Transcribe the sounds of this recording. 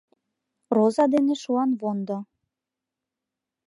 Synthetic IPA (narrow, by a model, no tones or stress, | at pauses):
rozɑd̪eneʃuɑnβond̪o